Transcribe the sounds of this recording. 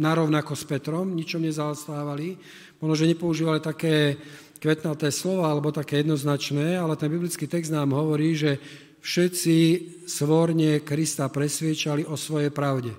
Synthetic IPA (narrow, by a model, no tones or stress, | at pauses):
naɾɔʊnakɔspɛt̪ɾɔmɲit͡ʃɔmɲɛzaɔst̪aːʋali | pɔɦnɔʒɛɲɛpɔuʒiːʋalit̪akɛː | kʋɛt̪nat̪ɛːslɔʋaːalɛbɔt̪akɛːjɛd̪nɔznat͡ʃnɛːalɛt̪ɛnbiblit͡skiːt̪ɛɡzd̪naːmɦɔʋɔɾiːʒɛ | fʃɛt͡si | sʋɔɾɲɛkɾist̪apɾɛsʋɪɛt͡ʃaliʔɔsʋɔjɛjpɾaʊɟɛ